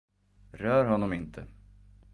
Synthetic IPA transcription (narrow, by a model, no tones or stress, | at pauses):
ɾœːɾɦɔnːɔmɪnt̪ʰə